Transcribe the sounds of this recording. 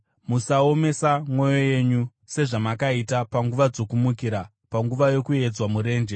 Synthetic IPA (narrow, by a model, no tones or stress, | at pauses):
musaome̞samwo̞jo̞je̞ɲu | se̞ʐamakaitapaŋɡuʋad͡zo̞kumukiɾa | paŋɡuʋajo̞kue̞d͡zwamuɾe̞ːnd͡ʒe